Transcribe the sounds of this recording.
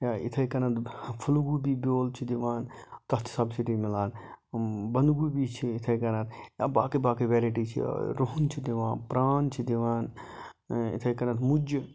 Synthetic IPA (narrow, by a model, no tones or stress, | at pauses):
jaḭt̪ʰɐjkɐnɐt̪pʰuluɡubibʲjoːlt͡ʃʰid̪iʋaːnt̪ɐt̪ʰsɐbsiʈimilaːn | bɐnd̪ɡubit͡ʃʰiːt̪ʰɐjkɐnɐt̪ja̰ːbaːkibaːkiʋeːɾiʈit͡ʃʰḭɾoɦunt͡ʃʰid̪iʋaːnpɾaːnt͡ʃʰid̪iʋaːn | ḭt̪ʰɐjkɐnɐt̪mud͡ʒ